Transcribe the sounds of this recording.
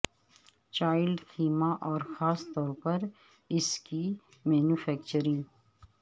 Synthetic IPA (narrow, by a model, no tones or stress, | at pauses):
t͡ʃaːjɪlɖxʰiːmaʔɔːɾxaːst̪ɔːɾpɐɾ | ɪski | mɛːnuːfɛːkt͡ʃəɾɪ̃ŋ